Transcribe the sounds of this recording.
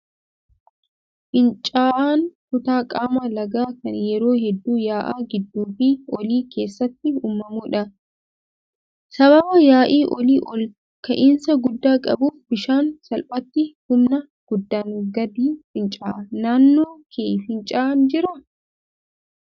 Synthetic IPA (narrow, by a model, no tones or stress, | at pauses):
fɪnt͡ʃʼaːʔaːnfʊt̪aːkʼaːmɐlɐɡaːkɐnjɛɾo̞ːɦɛd̪ːuːjaːʔaːɡɪd̪ːuːfɪɔliːkʰe̞ːsːɐt̪ːɪuːmːɐmuːᶑɐ | sɐbɐbɐjaːʔiːʔɔliːʔɔl | kɐʔɪnsɐɡʊd̪ːaːkʼɐ̰buːfbɪʃaːnsɐlpʼɐt̪ːɪhʊmnɐ | ɡ̥ʊd̪ːaːnɡɐd̪iːfɪnt͡ʃʼaːʔɐnaːnːoːkʰeːfɪnt͡ʃʼaːnd͡ʒɪɾɐ